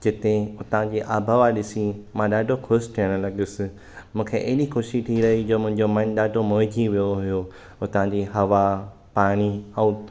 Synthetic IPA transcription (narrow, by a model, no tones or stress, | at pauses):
d͡ʑɪt̪eʊt̪ãd͡ʑeːʔaːbʱaʋaɗɪsimãɗaːɖʱokʰoːsʈ̪ʰiəɽ̃lɐɠɪsɪ̆ | mũːkʰeʔɐɦɪɗikoːʃiʈʰiɾɐɦid͡ʑoːmʊ̃ɦɪ̃ɲd͡ʑoːmɐ̃nɗaːɖʱomoːd͡ʑʱiʋijoɦʊjo | ʊt̪ãd͡ʑiːɦɐʋa | paːɽ̃iɛ̃